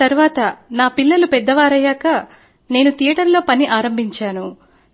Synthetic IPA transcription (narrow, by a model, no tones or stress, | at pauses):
ɐɾuʋaːt̪ɐnaːpilːɐlupɛd̪ːɐʋaːɾɐjaːkɐ | ne̞ːnut̪ijɐʈɐɾlo̞ːpɐniʔaːɾɐmbʱiɲt͡ʃaːnu